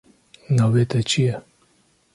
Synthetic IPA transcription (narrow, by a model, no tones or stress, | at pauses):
nɑːveːt̪ʰɛt͡ʃʰijɛ